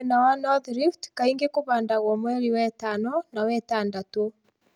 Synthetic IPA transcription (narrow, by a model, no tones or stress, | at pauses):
nawanɔðɾiftkaiŋɡekoβaːndaɣɔmwɛɾiwɛtanɔnawɛtaːndato